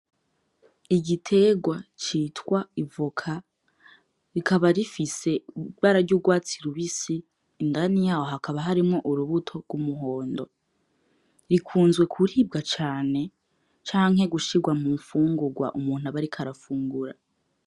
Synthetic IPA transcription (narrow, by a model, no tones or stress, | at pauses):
iɟitʰe̞ɡwat͡ʃiːtwaivukʰa | ɾikʰaβaɾifise̞βaɾaɾɟuːɡwaːt͡siɾuβisiː | ndanijaːwoɦakʰaβaɦaɾimŋo̞ʔuɾuβutʰo̞ɡwumuɦoːndo̞̰ | ɾikʰuːnzwe̞kʰuɾiːb̚ɡat͡ʃaːne̞ | t͡ʃaːŋ̥ɦe̞ɡuʃiɡwamuɱfuːŋɡuɡwa̰ʔumuːn̥uaβaɾikʰaɾafuːŋɡuɾa̰